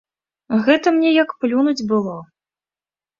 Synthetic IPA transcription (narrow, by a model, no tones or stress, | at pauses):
ɣɛt̪ɐmnʲɛjɐkplʲunud͡zʲbɨlˠɔ